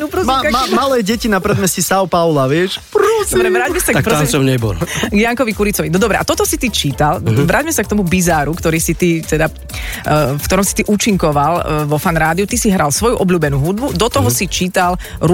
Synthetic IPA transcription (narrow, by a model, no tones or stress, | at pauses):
nɔpɾɔmamamalɛːɟɛcinapɾɛd̪mɛscɛsawpaʊlaʋɪɛʃpɾɔsbɾɛʋɾaːɟmɛsat̪akɔansɔmɲɛbɔ̰lɡjaŋkɔʋikuɾit͡sɔʋinɔd̪ɔbɾɛʔat̪ɔt̪ɔsit̪it͡ʃiːt̪alʋɾʔaːɟmɛsakt̪ɔmubizaːɾukt̪ɔɾiːsit̪it̪ɛd̪a | fkt̪ɔɾɔmsi̥t̪iʔuːt͡ʃiŋkɔʋalʋɔfanɾaːd̪iut̪isiɦɾalsʋɔjuʔɔbʎuːbɛnuːɦud̪̚bud̪ɔt̪ɔɦɔsit͡ʃiːt̪alɾ